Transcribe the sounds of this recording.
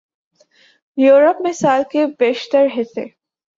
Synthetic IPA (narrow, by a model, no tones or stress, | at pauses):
juːɾəpmɪsaːlkebeːʃt̪əɾɦɪt̪ʰḛ